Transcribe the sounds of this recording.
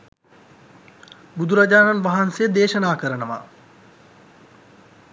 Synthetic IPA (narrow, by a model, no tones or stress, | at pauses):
bud̪uɾad͡ʑaːnanʋaɦansejəd̪eːʃɐnaːkəɾənəʋa̰